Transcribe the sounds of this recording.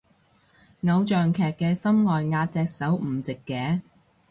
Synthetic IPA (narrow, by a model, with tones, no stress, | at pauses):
ŋɐ˨˧wt͡ʃœː˨ŋkʰɛː˨kːɛː˧sɐ˥mŋɔː˨jŋaː˧t̚t͡sɛː˧k̚sɐ˨˥wm̩˨˩t͡sɪ˨kːɛː˨˥